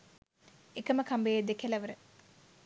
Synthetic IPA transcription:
ekəməkʰambejd̪ekelɐʋəɾə

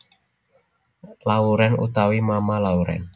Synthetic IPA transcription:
lauɾɛnṵt̪awimamalauɾɛ̰n

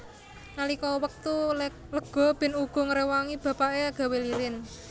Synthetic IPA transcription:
nalikɔwək̚t̪u | ləɡ̥ɔ̤b̥ɪ̤nuɡ̥ɔ̤ŋəɾewaŋib̥a̤paʔeaɡ̥a̤weliɾɪn

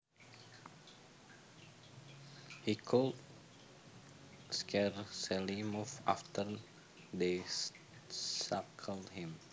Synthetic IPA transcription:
hikʰɔlt | skʰɛɹsɛlimufa̰ft̪əɾ | de | sakʰəldhĩm

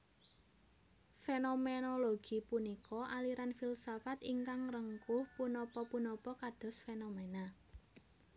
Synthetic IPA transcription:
fenomenoloɡ̥i̤punikɔʔaliɾanfilsafat̪iŋkaŋrəŋkupunɔpɔpunɔpɔkad̪̥ɔ̤sfenomena

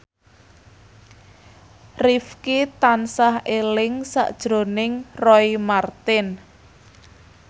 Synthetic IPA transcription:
rifkit̪ansahelɪŋsa̰ʔd̥ʒ̥ɾo̤nɪŋrɔimart̪ɪn

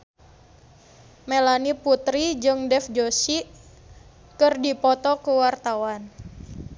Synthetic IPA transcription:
melaniput̪ɾid͡ʒɨŋdɛfd͡ʒosi | kɨrdipɔt̪ɔkuwart̪awan

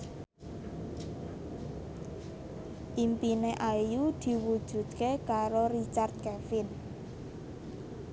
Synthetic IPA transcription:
ʔimpineʔajud̪̥i̤wud̥ʒ̥ṳd̪̚kekaɾoɾit͡ʃard̪̚kɛfɪn

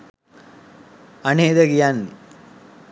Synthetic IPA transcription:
aneːd̪əɡijanːi

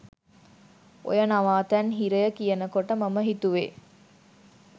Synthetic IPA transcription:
o̰jənaʋaːt̪ænɦiɾəjəkijənəkoʈəmɐməɦit̪uʋe

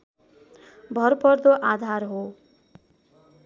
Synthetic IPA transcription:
bʱʌrpʌrd̪oʔad̪ʱarɦo

